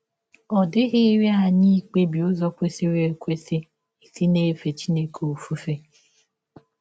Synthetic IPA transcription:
ɔ˨dɪ˦ɣɪ˦ɾi˦a˨ɲi˦k͡pe˦bi˨o˦zɔ˦kʷe˦si˦ɾe˨kʷe˦sɪ˦ | i˨si˦ne˦fe˨t͡ʃi˦ne˦kʰo˨fu˦fe˦

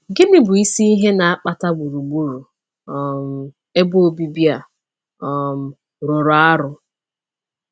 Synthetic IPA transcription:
ɡɪ˦nɪ˦bʊ˨i˦si˦i˦ɦe˦na˨a˦k͡pa˦ta˦ɡ͡bu˨ɾu˨ɡ͡bu˦ɾu˨ | m̩˦ | e˦bʊ˦o˦bi˦bja˨ | ɔ˨m̩˨ | ɾʊ˨ɾʊ˨a˦ɾʊ˦

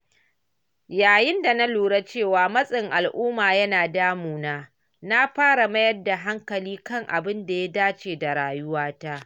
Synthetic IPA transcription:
jaː˨jɪ˦nda˨na˦luː˨ɽa˦t͡ʃeː˦˨waː˨mɐ˦sʼɪ˨ŋʔa˨lʔʊː˦maː˨jɐ˦naː˨daː˦muː˨naː˦ | na˦ɸaː˦ɽa˨mɐ˦jɐ˦rda˨ɦa˦ŋkɐ˨liː˦kɐ˦ŋʔa̰˨bɪ˦nda˨ja˦daː˦t͡ʃeː˨da˨ɾaː˨jʊ˦waː˦taː˦ʔ

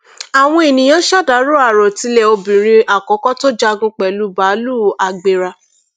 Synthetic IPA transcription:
a˨w̃ɔ̃˦e˨nĩ˨jɔ̃˦ʃa˦˨da˨˦ɾo˦a˦˨ɾɔ˨ti˨˧le˧o˧bĩ˨ɾ̃ĩ˧ʔa˨kɔ˨˦kɔ˦to˦d͡ʒa˧ɡũ˧k͡pɛ˨lu˦ba˨˦lu˦a˨ɡ͡be˨ɾa˧

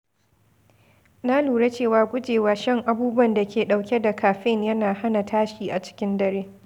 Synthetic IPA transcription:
na˦luː˨ɽe˦t͡ʃeː˦˨waː˨ɡʷʊ˦d͡ʒeː˨waː˨˦ʃɐ˦ŋʔa˨buː˦bʊ˦ɐ˨nda˨kʲʰeː˨ɗa˨wkʲe˦da˨kʰaː˨ɸɪ˦ŋjɐ˦naː˨ha˦na˨tʰaː˦ʃiː˨ʔa˨t͡ʃɪ̥˦kʲɪ˦ndɐ˦ɾeː˦

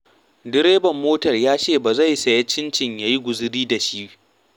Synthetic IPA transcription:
dɪ˦ɾeː˦bɐ˨mːoː˦tɐ˨rjaː˦t͡ʃeː˦˨ba˨za˦˨jsɐ˨ja˦t͡ʃɪ˦nt͡ʃɪ˨ɲja˦ji˦ɡʷʊ˨zɪ˦ɾiː˦da˨ʃi˦

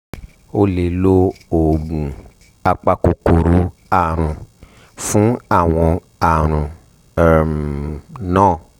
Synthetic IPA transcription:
o˧le˨lo˦o˨ɡ͡bũ˨ | a˧k͡pa˧ko˧ko˨ɾu˨˦a˦˨ɾ̃ũ˧ | fũ˨˦a˦˨w̃ɔ̃˧ | a˨ɾ̃ũ˨ | m | nãː˦˨

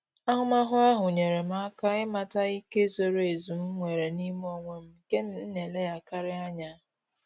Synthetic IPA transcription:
a˦ɦʊ˦ma˦ɦʊ˦a˦ɦʊ˨ɲe˨ɾe˨m̩˦a˦ka˦ɪ˦ma˨ta˦i˦ke˦zo˦ɾe˨zu˨m̩˦ŋʷe˨ɾe˨ni˦m˦o˨ŋʷe˦m̩˦ke˦nn̩˦ne˨le˦ja˨ka˦ɾɪ˦a˦ɲa˦

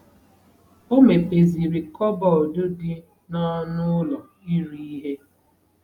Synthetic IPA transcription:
o˦me˨pe˨zi˨ɾi˨kɔ˦bɔ˨dʊ˦dɪ˦ | nɔ˦nʊ˦lɔ˨ | i˦ɾi˦i˦ɦe˦

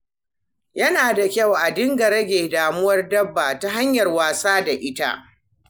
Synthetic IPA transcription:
jɐ˦naː˨da˨kʲa˦˨wʔa˨dɪ˦ŋɡɐ˨ɾɐ˦ɡʲeː˨daː˨mʊ˦wɐ˦rdɐ˦bːaː˨ta˦ɦa˦ɲjɐ˨rwaː˨saː˦da˨ʔɪ˦ta̰˦ʔ

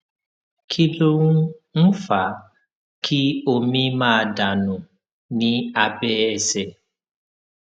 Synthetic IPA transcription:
kʰi˦lo˦ŋu˦n̩˦fa˨ | kʰi˦o˦mĩ˦maː˦˨da˨nʊ̃˨ | nĩ˦a˨bɛ˦ɛ˨se˦

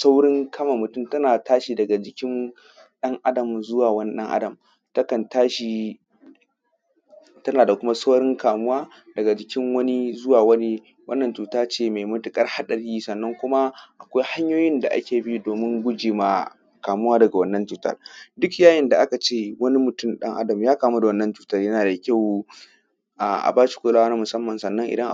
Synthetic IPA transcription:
sa˦wɽɪ˦ŋkʰɐ˦ma˨mʊ˨tʊ˦˨mtɐ˦naː˨taː˦ʃi˨dɐ˨ɡa˨d͡ʒɪ˨kʲɪ˦n | ɗɐ˦ŋʔa˦dɐ˨mzʊ˦waː˨wɐ˦ni˦ɗɐ̰˦ŋʔa̰˦dɐ˨m | tɐ˦kɐ˨ntaː˦ʃi˨ | tɐ˦naː˨da˨kʷʊ˦ma˦sa˦wɽɪ˦ŋkaː˨mʊ˦waː˦ | dɐ˨ɡa˨d͡ʒɪ˨kʲɪ˦ŋwɐ˦ni˦zʊ˦waː˨wɐ˦ni˦ | wɐ˦nːɐ˨nt͡ʃuː˨taː˦t͡ʃeː˦˨me˨jmʊ˦tʊ˦kʼɐ˦rha˦ɗɐ˨ɽiː˦sɐ˨nːɐ˦ŋkʷʊ˦ma˦ʔa˨kʷa˦jha˦ɲjoː˦jɪ˦nda˨ʔa̰˦kʲeː˨bi˦doː˨mɪ˦ŋɡʷʊ˦d͡ʒiː˨ma˨ | kaː˨mʊ˦waː˦dɐ˨ɡa˨wɐ˦nːɐ˦nt͡ʃuː˨tɐ̰˦rdʊ˦kjaː˦jɪ˦˨nda˨ʔa˦ka˨t͡ʃeː˦˨wɐ˦ni˦mʊ˨tʊ˦mɗɐ̰˦ŋʔa̰˦dɐ˨mjaː˦kaː˨mu˦da˨wɐ˦nːɐ˦nt͡ʃuː˨tɐ˦rjɐ˦naː˨da˨kʲa˦˨w | ʔa˨ʔa̰˨baː˦ʃi̥˨kʷoː˦laː˦a˦na˦mʊ˨sɐ˦mːɐ˨nsɐ˨nːɐ˦ŋʔɪ˨dɐ˦ŋʔ

